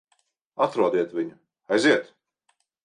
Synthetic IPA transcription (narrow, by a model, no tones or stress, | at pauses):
at̪ɾuɔd̪iɛt̪vʲiɲu | ajziɛt̪